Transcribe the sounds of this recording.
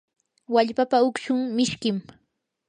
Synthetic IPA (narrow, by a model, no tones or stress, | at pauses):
waʎpapaʊkʃʊŋmɪʃkɪm